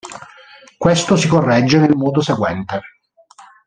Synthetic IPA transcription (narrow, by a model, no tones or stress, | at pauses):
kwest̪osikorːɛd͡ʒːenelmɔːd̪oseɡwɛnt̪e